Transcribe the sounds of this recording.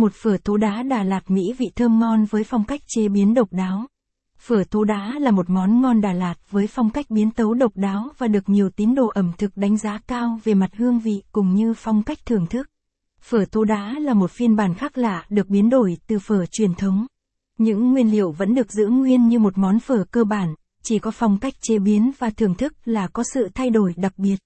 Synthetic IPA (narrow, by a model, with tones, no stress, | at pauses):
mo˨˩t̚fəː˧˩t̪ʰo˨˦ɗaː˨˦ɗaː˨˩laː˨˩t̚mḭ˧˥vḭ˧˨t̪ʰəː˧mŋɔ˧nvəː˨˦jfa˧wŋ͡mka˦˥jk̟̚t͡ɕe˧ɓi˨˦ənɗə˨˩wk͡p̚ɗaː˨˦w | fəː˧˩t̪ʰo˨˧˦ɗaː˨˦laː˨˩mo˨˩t̚mɔ˨˦nŋɔ˧nɗaː˧˩laː˨˩t̚vəː˨˦jfa˧wŋ͡mka˦˥jk̟̚ɓi˨˦ənt̪ə˨˦wɗə˨˩wk͡p̚ɗaː˨˦wvaː˨˩ɗɨ˨˩ək̚ɲi˨˩əwt̪i˨˦ənɗo̰˧˩ʔə˧˩mt̪ʰɨ˨˩k̚ɗa˨˦ŋ̟zaː˨˦kaː˧wve˨˩ma˨˩t̚hɨ˧əŋvḭ˧˨kʊ̰˨˩ŋ͡mɲɨ˧fa˧wŋ͡mka˦˥jk̟̚t̪ʰɨ˨˩əŋt̪ʰɨ˦˥k̚ | fəː˧˩t̪ʰo˨˧˦ɗaː˨˦laː˨˩mo˨˩t̚fi˧ənɓaː˧˩nxaː˦˥k̚laː˨˧˨ɗɨ˨˩ək̚ɓi˨˦nɗo˧˩jt̪ɨ˨˩fəː˧˩t͡ɕwi˨˩ənt̪ʰə˨˦wŋ͡m | ɲɨ̰˧˥ŋːwi˧ənli˧˩əwvə̰˧˥nɗɨ˨˩ək̚zɨ̰˧˥əŋwi˧ənɲɨ˧mo˨˩t̚mɔ˨˦nfəː˧˩kəː˧ɓaː˧˩n | t͡ɕi˧˩kɔ˨˦fa˧wŋ͡mka˦˥jk̟̚t͡ɕe˨˦ɓi˨˦ənvaː˨˩t̪ʰɨ˨˩əŋt̪ʰɨ˦˥k̚laː˨˩kɔ˨˦sɨ̰˧˨t̪ʰa˧jɗo˧˩jɗa˨˩k̚ɓi˨˩ət̚